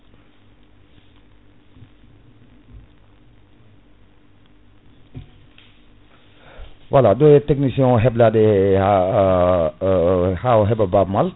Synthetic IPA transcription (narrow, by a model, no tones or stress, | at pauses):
waladojɛtɛk̚nisiɔ̃ɦɛbladɛa | haɔɦɛbababmal